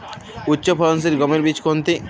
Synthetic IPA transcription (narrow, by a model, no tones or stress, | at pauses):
utːɕopʰɔɾons̬iɾɡɔmelbit͡ɕkont̪i